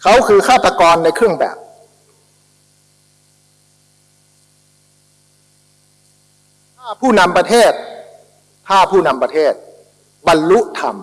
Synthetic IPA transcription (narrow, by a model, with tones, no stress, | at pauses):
kʰa˧˥wkʰɯː˧kʰaː˥˩t̪ːa˧kɔː˧nːa˧jkʰɯ˥˩əŋbɛ̰ː˨˩p̚ | t̪ʰaː˥˩pʰuː˥˩na˧mpa˧t̪ʰeː˥˩t̪̚ | t̪ʰaː˧˩pʰuː˥˩na˧mpa˧t̪ʰeː˥˩t̪̚ | ba˧nlu˦˥ʔt̪ʰa̰˧˩m